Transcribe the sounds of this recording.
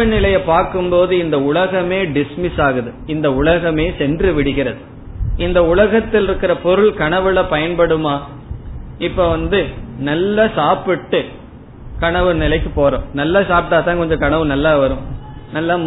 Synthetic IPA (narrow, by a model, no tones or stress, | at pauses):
ɐnɪlɐjɐpaːɾkɯmpoːðɯɪnd̪ɐʊɭɐɣɐmeːɖɪsmɪsaːɣɯðɯɪnd̪ɐʊɭɐɣɐmeːsɛndrɯʋɪɽɯɣɪɾɐðɯ | ɪnd̪ɐʊlɐɣɐt̪ːɪlɪɾɯkːɪɾɐpɔɾɯɭkɐɳɐʋɯlɐpɐjɐnpɐɽɯmaː | ɪpːoʋɐnd̪ɯnɐlːɐsaːpɪʈːɯ | kɐɳɐʋɯnɪlɐɪkːɯpoːɾõ̰ːnɐlːaːsaːpʈaːt̪ãːkɔɲd͡ʒɔ̃kɐɳɐʋɯ̃nɐlːaːʋɐɾɯ̃mnɐlːa